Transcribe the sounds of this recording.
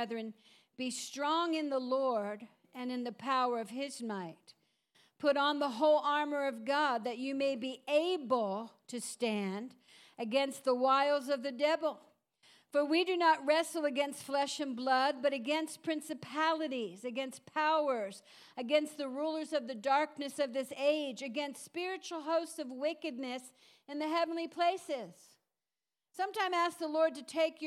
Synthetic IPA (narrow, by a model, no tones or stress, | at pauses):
ðɹɨ̃n | b̥istɹ̥ɔ̃ŋɨ̃nðəlɔɹɾ | ɨ̃nɨ̃nðɨpʰaʊə˞ʌv̥ɪzmaɪt̚ | pʰʊɾn̩ðəɦoʊlˠɑɹmə˞ʌvɡɑd̪̚ðɨt͡ʃɨmeɪbieɪbl̩ˠtʰɨstæ̃nd | ɨɡɛ̃nst̪̚ðəwaɪlˠzʌvðɨdɛvl̩ˠ | fə˞widɨnət̚ɹɛsl̩ˠəɡɛ̃nstflɛʃɨ̃nblʌd̚bʌɾɨɡɛ̃nstpʰɹ̥ɪ̃nsɨpʰælˠɨɾizɨɡɛ̃nspʰaʊə˞z | ɨɡɛ̃nst̪̚ðɨɹulˠə˞zʌvðɨdɑɹk̚nɨsʌvðɪseɪd͡ʒɨɡɛ̃nstspɪɹɨt͡ʃl̩ˠɦoʊstsʌvwɪkɨdⁿnɨs | ɨ̃nðɨɦɛvn̩lipʰl̥eɪsɪz̥ | sʌ̃mtãɪ̃mæsk̚ðəlɔɹd̚tɨtʰeɪk